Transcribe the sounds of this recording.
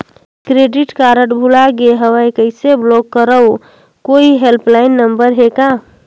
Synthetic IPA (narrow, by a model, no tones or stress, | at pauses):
kɾeːɖɪʈkaːɾəʈbʱulaɡeɦəʋəjkəɪseblokːəɾəo | koːiɦelplaɪnːə̃mbəɾɦekaː